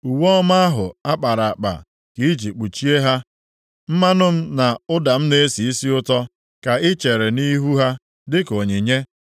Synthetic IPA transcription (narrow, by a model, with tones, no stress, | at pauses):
u˨wɔ˦ma˦a˦ɦʊ˨a˦k͡pa˨ɾa˨k͡pa̰˨ | ki˨˦d͡ʒi˨k͡pu˨t͡ʃi˦e˦ɦa˦ | m̩˦ma˦nʊ˦m̩˦na˨ʊ˦da˨m̩˦ne˦e˦si˨i˦si˦ʊ˦tɔ˦ | ka˨ɪ˦t͡ʃe˨ɾe˨ni˦ɦu˦ɦa˦ | dɪ˦ko˨ɲe˨ɲe˦